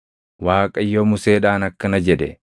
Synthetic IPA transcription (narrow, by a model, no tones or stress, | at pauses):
waːkʼɐɪjːoːmʊseːᶑaːnɐkːɐnɐd͡ʒɛd̪ɛ̰